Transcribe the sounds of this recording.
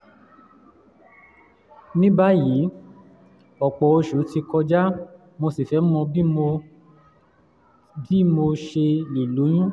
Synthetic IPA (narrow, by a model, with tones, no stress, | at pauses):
nĩ˦ba˦ji˨˦ | ɔ˨k͡pɔ˨o˧ʃo˨˦ti˧kɔ˧d͡ʒa˦ | mo˧si˨fɛ˨˦m̩˦mɔ̃˧bi˦mo˧ | bi˦mo˧ʃe˧i˨lo˨˦j̃ũ˦